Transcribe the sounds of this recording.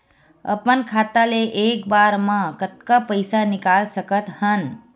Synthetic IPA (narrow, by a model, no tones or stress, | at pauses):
ə̰pənkʰaːt̪aleʔeːkbaːɾmãkət̪kapəɪsanɪkaːlsəkət̪hən